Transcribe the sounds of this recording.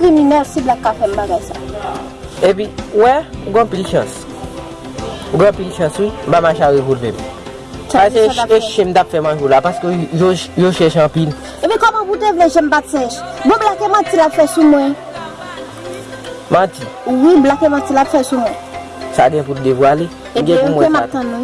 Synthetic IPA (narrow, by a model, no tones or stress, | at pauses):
kliminɛlsiblakːafɛm̩baɡajsa | ep̬iwɛuɡãpilʃã̰s | uɡãpilʃãswim̩pamaʃaʒipulvɛ̰̃m | ʃaaeʃaeʃẽm̩t̪apfɛmãʒolapaskøʒojoʃɛʃãpil | epĩkɔmɔ̃putevleʒɛ̃m̩patʃɛʃbɔ̃blakemãtilapfɛsumũɛ̃ | mãti | wiblakemãtilapfɛsum̃ɛ | saɡɛ̃putd̪evwale | ɡɛ̃kũmw̃ɛɛ̃mat̪ãnũ